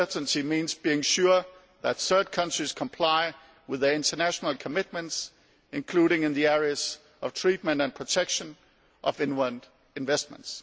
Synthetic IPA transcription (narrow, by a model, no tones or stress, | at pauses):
ɜ˞ʔn̩timĩːnzbiɪ̃ŋʃʊ | ðætθɜ˞d̚kʰʌ̃nt͡ʃɹ̥iz̥kʰə̃mpʰl̥aɪ | wɪðə˞ɪ̃ntʰənæʃənəl̩ˠkʰəmɪt̚mə̃nts | ɨ̃nkʰl̥uːɾɪ̃ŋɪ̃nðiɛɹiəz̥ | ʌv̥tʰɹ̥it̚mə̃ntɨ̃npʰɹ̥ətʰɛkʃə̃n | ʔʌvɪ̃nwənd | ɪ̃nvɛst̚mə̰̃nts